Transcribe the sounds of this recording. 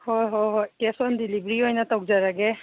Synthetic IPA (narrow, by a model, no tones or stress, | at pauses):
hɔjɦɔjɦɔjkɛsɔndilibɹiɦɔjnat̪ak̚zaɹaɡɛ